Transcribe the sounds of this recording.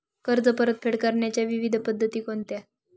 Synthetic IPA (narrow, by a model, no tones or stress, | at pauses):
kəɾd͡zəpəɾət̪̚fʰeɽkəɾɳjat͡ɕjaʋiʋid̪ʱpəd̪ʱːət̪iːkont̪ja